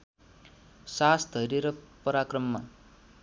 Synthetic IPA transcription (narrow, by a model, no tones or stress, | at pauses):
sasd̪ʱʌɾeɾʌpʌɾakrʌmːa